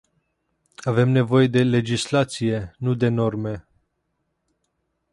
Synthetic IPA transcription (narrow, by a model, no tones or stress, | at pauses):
ave̞mne̞vo̞je̞d̪e̞le̞d͡ʒislat̪sije̞nud̪e̞no̞rme̞